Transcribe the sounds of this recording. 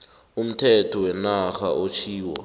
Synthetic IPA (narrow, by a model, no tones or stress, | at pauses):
um̩tʰɛtʰɔwɛnaxʰaʔot͡ʃʰiːwa̰